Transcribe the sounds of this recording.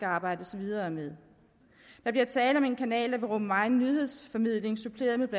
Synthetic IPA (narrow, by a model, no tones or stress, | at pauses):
ɡ̥əɑ̈ːb̥ɑ̈ɪ̰d̥əsɒʋiðˠɐmeðˠ | d̥ɑ̈b̥liɐt͡sʰɛːləɒ̽me̝nkʰænɛ̰ːld̥æʋe̝ʁɔ̽m̥əmɑ̈ɪnːyðˠhe̝ð̰ˠsfɒ̽mið̞̰ˠle̝ŋsupʰle̝ːɐð̞̩ˠmeb̥læ